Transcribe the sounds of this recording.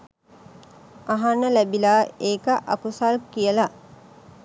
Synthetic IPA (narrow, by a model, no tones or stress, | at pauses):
aɦanːəlæbilaːeːkəʔakusalkijəla